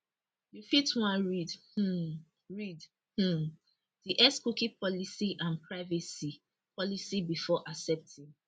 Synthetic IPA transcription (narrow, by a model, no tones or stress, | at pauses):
jufitwãnɹidh̩ | ɹid | h̩ | diʔɛskukipɔlisiʔãnpɹaɪvɛsi | pɔlisibifɔʔasɛp̚tʰĩŋ